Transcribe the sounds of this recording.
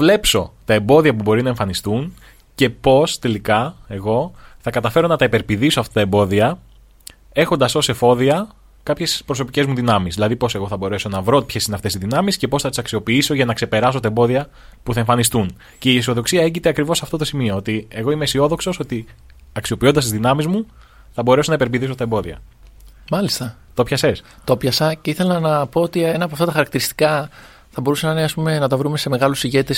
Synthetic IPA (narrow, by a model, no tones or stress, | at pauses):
vle̞pso̞t̪ɐe̞mbo̞ðiɐpubo̞ɾinɐe̞ɱfɐnist̪un | ce̞po̞st̪e̞likɐe̞ɣo̞θɐkɐt̪ɐfe̞ɾo̞nɐt̪ɐipe̞ɾpiðisoɐft̪ɐt̪ɐembo̞ðiɐ | e̞xond̪ɐso̞se̞fo̞ðiɐ | kɐpçe̞spɾo̞s̬o̞pice̞zmuðinɐmizðilɐðipo̞se̞ɣo̞θɐbo̞ɾe̞so̞nɐvɾo̞pçe̞sineɐft̪e̞siðinɐmisce̞po̞sθɐt̪isɐksio̞piiso̞ʝɐnɐkse̞pe̞ɾɐs̬o̞t̪ɐembo̞ðiɐ | puθɐe̞ɱfɐnist̪un | ce̞isio̞ðo̞ksiɐe̞cit̪eɐkɾivo̞sɐft̪o̞t̪o̞simio̞ot̪ie̞ɣo̞imeisio̞ðo̞kso̞so̞t̪i | ɐksio̞pind̪ɐst̪izðinɐmizmu | θɐbo̞ɾe̞so̞nɐipe̞ɾviθiso̞t̪ɐembo̞ðiɐ | mɐlist̪ɐ | t̪o̞pçɐse̞s | t̪o̞pçɐsɐceiθe̞lɐnɐpo̞ot̪ienɐp̬ɐft̪ɐt̪ɐxɐɾɐk̚t̪iɾist̪i̥kɐ | θɐbo̞ɾusenɐineɐspume̞nɐt̪ɐvɾume̞se̞me̞ɣɐlusiʝe̞t̪es